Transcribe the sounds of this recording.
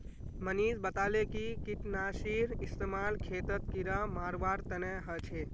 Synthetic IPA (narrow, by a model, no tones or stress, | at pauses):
məniːd͡ʒbət̪alekikiʈnasiɾist̪emalkʰeːt̪ət̪kiɾamaːɾʋaɾt̪əneɦət͡ʃʰe